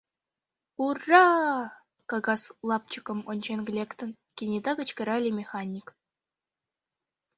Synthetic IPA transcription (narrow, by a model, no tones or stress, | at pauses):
urːɑ | kɑɡɑslˠɑp̚t͡ɕikɤ̆monʲt͡ɕenɡʲlʲekt̪ɤ̆n | kʲenʲed̪ɑkɤ̆t͡ɕkʲɘ̆ɾɑlʲimʲexɑnʲik